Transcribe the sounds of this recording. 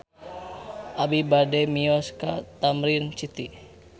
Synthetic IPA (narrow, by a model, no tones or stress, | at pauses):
ʔabibadɛmiɔskat̪amɾint͡ʃit̪i